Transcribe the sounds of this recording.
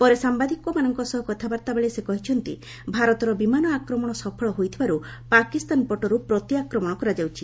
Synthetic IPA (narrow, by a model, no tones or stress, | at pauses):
pɔɾesambad̪ʱikɔmanɔŋkɔsɔɦɔkɔt̪ʰabaɾt̪abeɭesekɔɦit͡ʃʰɔnt̪i | bʱaɾɔt̪ɔɾɔbimanɔakɾɔmɔɽ̃ɔsɔpʰɔɭɔɦojt̪ʰibaɾu | pakist̪anpɔʈɔɾupɾɔt̪iakɾɔmɔ̃ɔkɔɾad͡ʒawt͡ʃʰi